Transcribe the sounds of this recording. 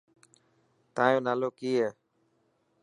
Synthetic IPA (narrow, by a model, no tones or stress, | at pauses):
t̪ãːjõːnaːloːkiːɦeː